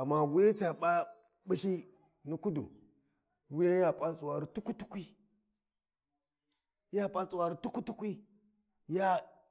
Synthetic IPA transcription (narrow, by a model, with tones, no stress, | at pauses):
a˨mːa˦wi˦e˦t͡sa˨ɓa˦ | bi˦ʃi˦ | ni˦ku˦dṵ˨ | wi˦je˦ja˦pʼa˦t͡sʼu˨wa˨ɾi˦tu˦ku˦tu˦kʷi˦ | ja˦pʼa˦t͡sʼu˨wa˨ɾi˦tu˦ku˦tu˦kʷi˦ | ja˦